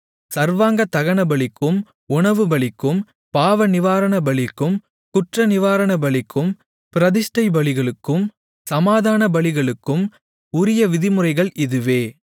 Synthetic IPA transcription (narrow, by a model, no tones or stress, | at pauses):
sɐɾʋaːŋɡɐt̪ɐɣɐɳɐbɐɭɪkːɯm | ʊɳɐʋɯbɐɭɪkːɯm | paːʋɐnɪʋaːɾɐɳɐbɐɭɪkːɯm | kʊʈrɐnɪʋaːɾɐɳɐbɐɭɪkːɯm | pɪɾɐðɪʂʈɐɪbɐɭɪɣɐɭɯkːɯm | sɐmaːðaːnɐbɐɭɪɣɐɭɯkːɯm | ʊɾɪjɐʋɪðɪmɯrɐɪɣɐɭʔɪðɯʋeː